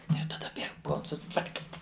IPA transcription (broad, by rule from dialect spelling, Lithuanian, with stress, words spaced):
jɛʊ tɐˈdɐ bʲiɛk ˈpuɔlˠ sʊsʲɪtʋɐrʲˈkʲiːtʲ